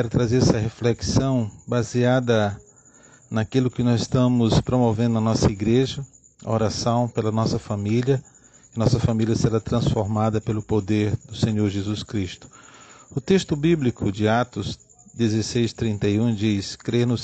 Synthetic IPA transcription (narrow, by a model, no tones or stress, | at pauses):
ɛɾʊt̪ɾazeɾɛsɐɦefleksɐ̃w̃baziad̪ɐ | nɐkilʊkɪnɔzɪst̪ɐ̃mʊspɾomovẽnd̪ʊɐnɔsɐiɡɾeʒɐ | ɐ̰oɾasɐ̃w̃pelɐnɔsɐfamiljɐ | ɪnɔsɐfamilʲiɐseɾat̪ɾɐ̃sfoɾmad̪ɐpelʊpod̪eɾd̪ʊsẽɲoɾʒezuskɾist̪ʊ̥ʊt̪est̪ʊbiblikʰʊd͡ʒɪat̪ʊz | d̪ezesejst̪ɾĩnt̪ejũd͡ʒiskɾeɾnʊs